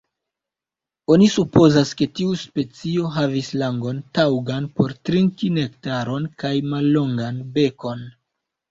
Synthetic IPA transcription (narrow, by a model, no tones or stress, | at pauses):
o̞nisupo̞zaske̞tiuspe̞t͡sio̞ɦavislaŋɡo̞ntawɡanpo̞ɾtɾiŋkinektaɾo̞nkajmalːo̞ŋɡanbe̞ko̞n